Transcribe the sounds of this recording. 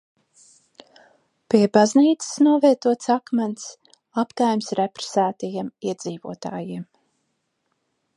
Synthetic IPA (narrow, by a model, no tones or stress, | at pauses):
piɛbazniːt̪sɨ̥snuɔvɛt̪uɔt̪sakmant̪s | apkajmsɾɛpɾe̥sæːt̪ajimiɛd̪ziːvṵɔt̪aːjiɛm